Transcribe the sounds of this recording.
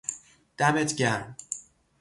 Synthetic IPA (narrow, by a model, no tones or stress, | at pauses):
d̪̥æbet̪ʰɟʲæɾm